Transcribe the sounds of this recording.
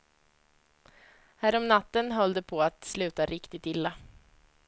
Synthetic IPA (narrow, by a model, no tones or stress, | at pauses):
hæːɾɔmnat̪ːənɦɔld̪əpʰɔat̪slʉ̟ːt̪aɾʔɪkt̪ɪt̪ɪlːa